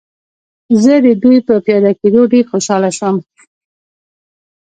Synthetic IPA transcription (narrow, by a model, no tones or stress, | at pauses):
zəd̪əd̪ujpəpjɑd̪ɑked̪oɖeɾxoʃɑlaʃwəm